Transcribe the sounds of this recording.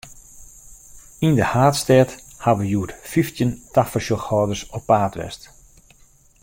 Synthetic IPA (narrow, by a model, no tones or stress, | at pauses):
indəhaːtstɛt | haʋəjuətfiftjəntafəʃɔxhɔːdərsɔpːaːtʋɛ̰st